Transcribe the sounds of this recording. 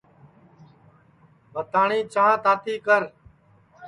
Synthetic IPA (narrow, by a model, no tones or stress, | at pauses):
bət̪aːɳĩːt͡ʃãːt̪aːt̪ʰiːkəɾ